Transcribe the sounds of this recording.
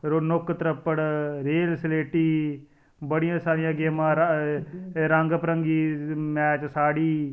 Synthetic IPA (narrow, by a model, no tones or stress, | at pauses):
ɾonʊkt̪ɾəpːəɽɾeːlsleːʈiː | bəɽɪjãːsaːɾɪjãːɡeːmãːɾ | ɾəŋɡpɾəŋɡiːmɛːt͡ʃsaːɽiː